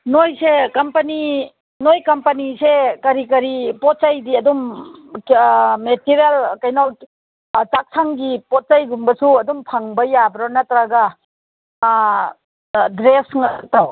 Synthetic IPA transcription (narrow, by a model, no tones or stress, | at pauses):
nojsekɐmpɐni | nojkɐmpɐnisekɐɾikɐɾipɔt̚t͡ʃajdiɐdum | metiɾjelkajnaw | t͡ʃak̚sʰaŋɡipɔt̚t͡ʃajɡumbɐsuɐdumpʰaŋbɐjabɾɔnɐtɾaɡɐ | dɾesŋ̚taw